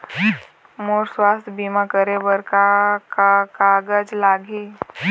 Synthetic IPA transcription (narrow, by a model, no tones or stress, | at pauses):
moːɾswaːst̪ʰbiːmãkəɾebəɾkakakaːɡəd͡ʒlaːɡʱi